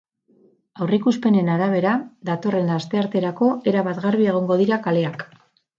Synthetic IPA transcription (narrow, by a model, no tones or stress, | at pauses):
awrikuspe̞ne̞naɾaβ̞e̞ɾaðat̪o̞re̞nlast̪e̞aɾt̪e̞ɾako̞ʔe̞ɾaβat̪ɣarβie̞ɣ̞o̞ŋɡo̞ð̞iɾakale̞ak